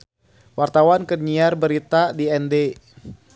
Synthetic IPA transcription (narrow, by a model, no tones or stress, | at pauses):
wart̪awankəɲiarbəɾit̪adiɛnde